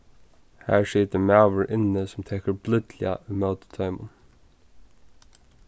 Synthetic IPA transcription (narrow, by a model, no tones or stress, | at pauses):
hæ̰ːɹʂiːt̪əmæːʋəɹʔɪnəsɔmt̪ʰɛːkəɹblʏd̪lɪ̰aʔʉːmɑʊt̪ə̥t̪ʰɑːmʊ̰n